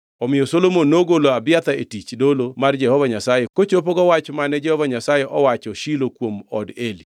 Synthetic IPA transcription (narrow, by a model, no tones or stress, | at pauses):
ɔmɪjɔsolomonːoɡoloabɪat̪aetit͡ʃdolomard͡ʒɛhɔvaɲasajekot͡ʃop̬oɡɔwat͡ʃmanɛd͡ʒɛhɔvaɲasajeʔɔwat͡ʃɔʃilokwomɔ̰deli